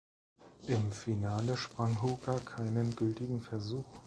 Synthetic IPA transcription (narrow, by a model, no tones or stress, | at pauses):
ʔɪmfinaːləʃpʁ̥aŋɦuːɡakʰaɪnənɡʏltɪɡŋ̩fɛɐzuːx